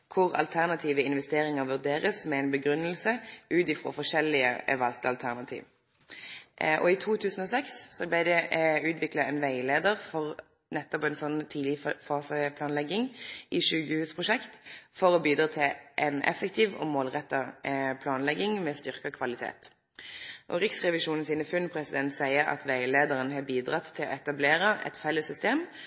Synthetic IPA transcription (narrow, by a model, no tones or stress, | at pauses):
kʰʊʁɑ̰lt̪ʰæʁnɑt̪ʰiːʋəɪnʋɛst̪eːʁɪŋəʋʉʁd̪eːʁəsmɛɛɪnbəɡʁʉnːəlsəʔʉːt̪ɪfʁo̰ːfɔʂɛlːɪə̰ɛ̰ʋɑlt̪əɑlt̪ʰæʁnɑt̪ʰḭːʋ | ʔɔ̰ɪt̪ʰuːt̪ʰʉːsən̩ɔsɛksːɔblæɪd̪ɛʉːt̪ʋɪklɑɛnʋæɪleːd̪əʁfɔʁ | nɛt̪ːɔpɛnsɔnːt̪ʰiːd̪lɪfɑːsəpʰlɑːnlɛɡɪŋʔiʃʉːkəhʉːspʰʁʊʂɛkt̪fɔʁɔbiːd̪ɾɑːt̪ʰɪlʔɛnʔɛ̰fəkt̪ʰiːʋo̰ːmoːlʁɛt̪ːɑpʰlɑːnlɛɡɪŋmɛːst̪ʏʁkɑkʰʋɑlɪt̪ʰḛːt̪ | ʔɔ̰ʁɪksʁɛʋɪʃuːnn̩siːnəfʉnpʰɾɛsɪd̪ɛnt̪sæɪəʁɑ̰t̪ʋæɪleːd̪əʁənɦɑːbiːd̪ʁɑt̪ʰːɪlɔ̰ːɛt̪ɑbleːʁəʔɛ̰t̪fɛlːəsʏst̪eːm